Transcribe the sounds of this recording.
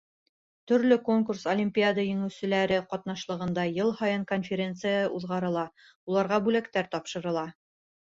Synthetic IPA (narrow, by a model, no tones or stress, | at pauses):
t̪ɵ̆ɾlɵko̞ŋkursolʲimʲpʲiad̪əjɵ̆ŋɘ̆wsɘ̆læɾɘqɒt̪nɑʃlˠɤ̆ʁɤ̆nd̪ɑjɤlˠhɑjɤɴkonfʲeɾʲe̞nt̪sɨjəʔuðʁɑɾɤ̆lˠɑ | ulˠɑɾʁɑbʉlækt̪æɾt̪ɒpʃɤ̆ɾɤ̆lˠɑ